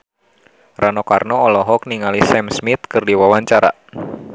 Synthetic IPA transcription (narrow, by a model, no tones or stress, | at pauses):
rʔanɔkarnɔɔlɔɦɔkniŋalisɛmsmit̪̚kɨrdiwawaɲt͡ʃaɾa̰